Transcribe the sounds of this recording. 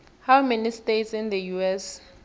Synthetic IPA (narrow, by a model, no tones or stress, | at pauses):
hawmɛnistetsĩnd̪əjuɛs